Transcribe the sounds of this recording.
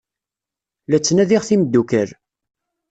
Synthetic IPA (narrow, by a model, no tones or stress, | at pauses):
læt͡sːnæðiʁθiməd̪ːukəɾ